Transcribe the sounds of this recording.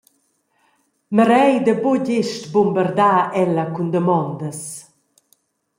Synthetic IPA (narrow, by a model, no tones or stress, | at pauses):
məɾɛjd̪əboɟeʃtbumbəɾd̪aːɛlɐkund̪əmɔnd̪əs